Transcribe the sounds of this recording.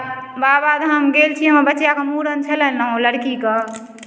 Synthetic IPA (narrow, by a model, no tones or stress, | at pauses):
babad̪ɦəmɡelt͡ʃʰiɦəmbətːjakemuɾənt͡ʃʰələnnɦõləɽkikə